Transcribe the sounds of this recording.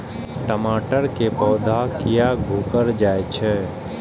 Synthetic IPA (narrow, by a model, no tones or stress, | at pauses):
ʈəmaːʈəɾkepɔːd̪ʱakijaɡʱuːkəɾd͡ʒaːet͡ʃʰɛː